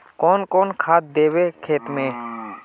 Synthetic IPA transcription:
kɔːnkɔːnkʰaːt̪̚d̪eːwekʰeːt̪mẽː

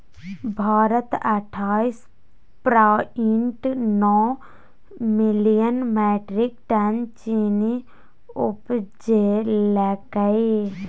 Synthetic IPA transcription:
bʱaːɾət̪əʈʰaːis | pɾaiɳʈnɔː | mɪlijənmɛːʈɾikʈɐnt͡ʃiːni | ʊpd͡ʒelɛkəe

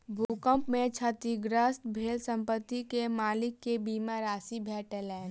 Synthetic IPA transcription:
bʱuːkəmpmẽt͡ʃʰat̪iɡɾəsbʱeːlsə̃mpət̪ːikemaːlɪkːebiːmaɾaːsibʱɛːʈɛlɛːɳ

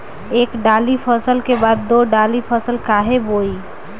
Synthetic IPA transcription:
eːkɖaːlipʰəsəlkebaːd̪ːoːɖaːlipʰəsəlkaːɦeboːi

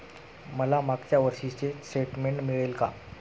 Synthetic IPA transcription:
məlamaɡt͡ɕjaʋəɾɕit͡ɕesʈeʈmeɳʈmiɭelka̰

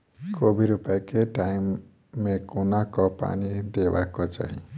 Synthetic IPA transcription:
kobʱiɾupakeʈajmː | ekunakɔpa̰nid̪ewakɔt͡ʃa̰ɦḭ̃

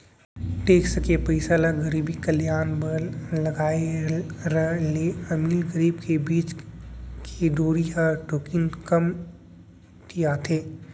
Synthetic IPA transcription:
ʈeːkʰsɐkepɐɪsaːlaɡɐɾiːbikəljaːnbəlɐɡaːeɾəleɐmiːlɡəɾiːbkebiːt͡ʃ | kʰed̪oːɾiɦaʈoːkɪnkəm | t̪ijat̪ʰeː

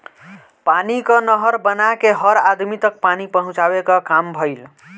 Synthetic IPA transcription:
panikənəɦəɾbənakeɦəɾad̪mit̪ək̚panipəɦũt͡ʃabekəkambʱəɪl

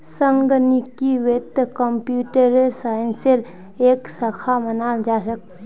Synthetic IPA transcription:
səŋɡənikiʋet̪kəmpjuːʈəɾesaːɪnseɾ | eːksɐkʰamɐnaːld͡ʒaːsɐk̚t̪

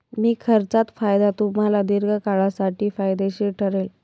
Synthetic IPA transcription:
miːkʰəɾt͡sat̪fajd̪at̪um̤alad̪iɾɡʱəkaɭasaʈiːfajd̪eɕiʈʰəɾel

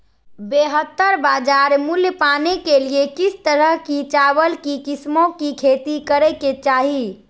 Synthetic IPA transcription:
beɦət̪ːəɾbaːd͡ʒaːɾmuljəpanekeliekist̪əɾəɦkit͡ʃabəlkikismõkikʰet̪ikəɾɛket͡ʃaːɦi

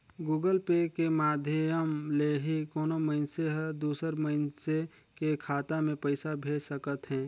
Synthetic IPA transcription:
ɡuːɡəlpekemaːd̪ʱjəjəmleɦikɔːnoməɪnseɦd̪uːsəɾməɪnse | kekʰaːt̪amẽpəɪsabʱeːsəkət̪ɦɛ̃ː

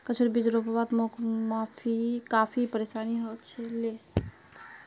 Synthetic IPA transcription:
kət͡ʃʰoɾibid͡ʒɾopəbat̪mokmapʰikapʰipəɾesaniɦot̪t͡ʃʰɛle

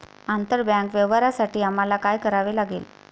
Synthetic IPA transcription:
ant̪əɾbjãŋkʋeʋəɾasaʈiːam̤alakajkəɾaʋelaɡiːl

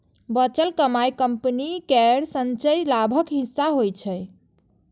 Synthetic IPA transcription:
bət͡ʃəlkəmajkəmpnikɛɾsənt͡ʃəjlabʱəkɦisːaɦojt͡ʃʰəj

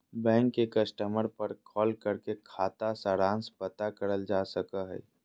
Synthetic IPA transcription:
bɛ̃ːŋkːekəsʈəməɾpəɾkʰɔːlkəɾkekʰaːt̪asaɾãːnspət̪akəɾəld͡ʒaːsəkəɦɛ̰ː

